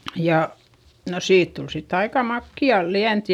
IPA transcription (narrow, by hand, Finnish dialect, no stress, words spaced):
jɑ no siːt tul sitː ɑikɑ mɑkːiɑ liænt